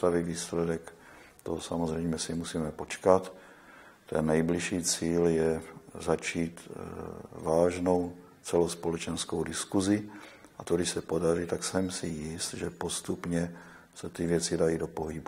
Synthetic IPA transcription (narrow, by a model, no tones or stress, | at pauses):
t̪aviviːslɛdɛk | t̪osamozrɛjmɛsimusiːmɛpo̞t͡ʃkat̪ː | ɛ̰nːɛjbliʃiːt͡siːljɛzat͡ʃiːt̪ | vaːʒno̞w | t͡sɛlospolɛt͡ʃɛnskowdɪskuzɪ | ʔat̪odɪʃsɛpodaɾit̪aksɛmsɪjɪst̪ʒɛpost̪upɲɛ | sɛt̪ɪvjɛt͡sidajiːdo̞poɦibu